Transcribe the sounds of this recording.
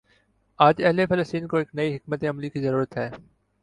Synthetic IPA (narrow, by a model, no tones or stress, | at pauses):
aːd͡ʒɐɦlefɐləst̪iːnkoɪknɐiɦɪk̚mət̪eɐmlikizɐɾuːɾət̪ɦɛː